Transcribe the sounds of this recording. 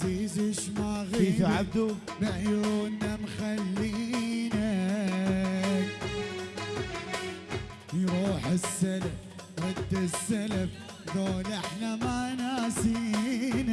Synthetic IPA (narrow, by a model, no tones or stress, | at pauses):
t̪iːzɪʃmaɣiiθʕab̚d̪u | bɪʕjuːnːamxalːiːna | k | jɾˤuːħɪsːalaf | ɾɑd̪ːɪsːalaf | ðoːlɪħnamanaːsiːna